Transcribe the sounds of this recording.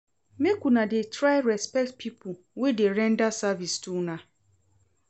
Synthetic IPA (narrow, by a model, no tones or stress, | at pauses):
mekʷunadetɾaɪɾɛspɛk̚tpʰipʊ | wedeɾɛndasavistuna